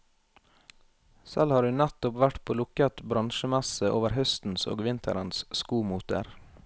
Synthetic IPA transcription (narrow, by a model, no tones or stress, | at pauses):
sɛlhɑːɾhʉːnæt̪ʊpʋæʈpʰoːlʊkət̪bɾɑnʃəmæsəʔoːʋəɾhœst̪n̩so̰ːɡʋɪnt̪ʰə̰ɾənsskuːmuːt̪ə̰ɾ